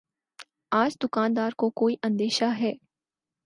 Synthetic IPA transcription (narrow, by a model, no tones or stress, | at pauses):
aːd͡ʒd̪ʊkaːnd̪aːɾkokoːiʔɐ̃nd̪eːʃaɦɛː